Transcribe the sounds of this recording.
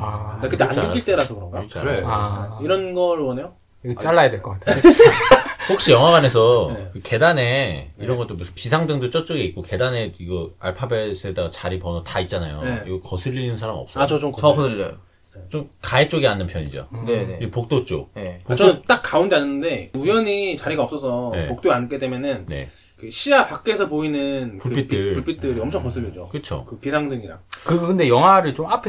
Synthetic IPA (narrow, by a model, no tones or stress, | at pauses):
aekɯt͈ːeanikit͈eɾasʰʌkɯɾʌŋɡat͡ɕa̰ | iɾʌnɡʌɾɭwʌnejo | ɡt͡ɕaɭːajadweɭk͈ʌk͈atʰ | hok̚ɕ͈ijʌŋwaɡwane̞sʰʌekɯke̞dane̞iɾʌnɡʌt͈ombusʰɯpisʰaŋdɯŋdot͡ɕ͈ʌt͡ɕ͈oɡeik̚k͈oke̞dane̞iɡʌa̰ɭpʰabesʰɯedaɡat͡ɕaɾipʌnotait̚t͡ɕ͈ana̰jo̰iɡʌkʌsʰɯʎːinɯnsʰaɾamiʌ̰p̚s͈ʌt͡ɕʌt͡ɕomo | t͡ɕomkaet͡ɕ͈oɡianːɯnpʰjʌɲid͡ʑo̰eipok̚t͈ot͡ɕ͈o̰npokt͡ɕʌnɯnt͈ak̚k͈ːaundeanːɯnːɯnde̞ujʌɲit͡ɕaɾiɡaʌps͈ʌs̬ʰʌne̞̰ok̚t͈oiank͈edemjʌnɯnne̞̰ | kɯɕʰiapak͈̚e̞sʰʌpoinɯnkpuɭp͈it̚pt͈ɯɭuɭpit͈ɯɾiʌmt͡ɕʰʌŋkʌs͈ʰɯɭːid͡ʑokɯt͡ɕʰo̰kɯpisʰaŋdɯŋiɾa̰kɯkɯnde̞jʌŋɦwaɾɯɭt͡ɕomapʰe